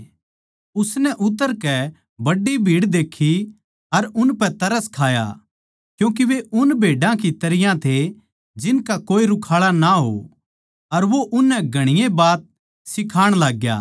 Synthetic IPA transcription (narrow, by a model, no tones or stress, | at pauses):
ʊsnɛʔʊt̪ːəɾkɛ | bɐɖːibʱiːɽd̪eːkʰːi | ɐɾʊnpɛt̪ɐɾəskʰaːja̰ | kjũːk̬iʋeʔʊnbʱeːɖãkit̪ɐɾɪjãt̪ʰe | d͡ʒɪnkakoːiɾʊkʰaːɭanaɦo̰ | ɐɾʋoʔʊnːɛɡʱɐɽ̃ɪjebaːt̪̚ | sɪkʰaːɽ̃laːɡja̰ː